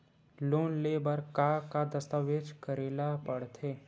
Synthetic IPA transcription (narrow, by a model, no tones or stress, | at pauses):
loːnleːbəɾkakad̪əst̪aʋeːd͡ʒkəɾeːlapəɽt̪ʰeː